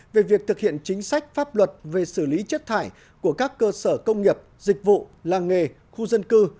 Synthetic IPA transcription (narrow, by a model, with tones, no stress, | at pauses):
ve˨˩vi˨˩ək̚t̪ʰɨ˨˩k̚hḭ˧˨ənt͡ɕï˨˦ŋ̟sa˦˥jk̟̚faː˦˥p̚lwə˨˩t̚ve˨˩sɨ˧˩li˨˦t͡ɕi˦˥t̚t̪ʰaː˧˩j | ku˧˩əkaː˦˥kːəː˧səː˧˩kə˧wŋ͡mŋi˨˩əp̚zï˨˩k̟̚vṵ˧˨laː˨˩ŋŋe˨˩ | xu˧zə˧nkɨ˧